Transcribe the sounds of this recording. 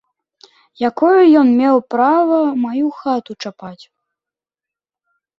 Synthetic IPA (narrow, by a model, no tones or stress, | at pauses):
jakɔjujɔnmʲɛwpɾavɐmajuxat̪ut͡ʂapat͡sʲ